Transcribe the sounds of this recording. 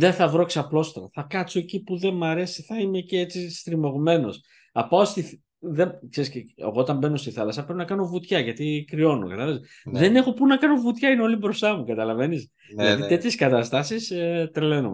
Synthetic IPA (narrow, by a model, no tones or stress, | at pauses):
ðeθɐvɾoksɐplo̞st̪ɾɐ̰θɐkɐt̪soecipuðe̞mɐɾe̞siθɐime̞ceet͡sist̪ɾimo̞ɣume̞no̞s | ɐpaost̪iθ | ðekseɾisceḛɣo̞ot̪ɐmbe̞no̞st̪iθɐlɐsɐpɾepnɐkɐno̞vut̪çɐʝɐt̪ikɾio̞no̰kɐt̪ɐlɐze | ðe̞ne̞xo̞punɐkɐno̞vut̪çɐineo̞libɾo̞st̪ɐmukɐt̪ɐlɐve̞nis | ilɐðit̪e̞t̪çeskɐt̪ɐst̪ɐsist̪ɾele̞num